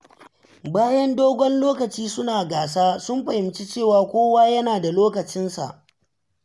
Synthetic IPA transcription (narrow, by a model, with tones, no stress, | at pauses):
baː˦jɛ˦ndoː˦ɡʷɔ˦nloː˦kɐ˨t͡ʃiː˦sʊ˦naː˨ɡaː˨s̬aː˦sʊ˦mɸɐ˨hɪ˨mt͡ʃi˦t͡ʃeː˦˨waː˨kʷoː˦waː˦jɐ˦naː˨da˨loː˦kɐ˨t͡ʃɪ˦nsa̰˨ʔ